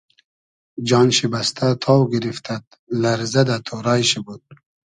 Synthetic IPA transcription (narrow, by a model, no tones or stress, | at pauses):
d͡ʒɑːnɕibast̪ʰat̪ʰɑwɡiɾift̪ʰat̪̚ | laɾzɐd̪at̪ʰoɾɑːjɕibud̪̥̚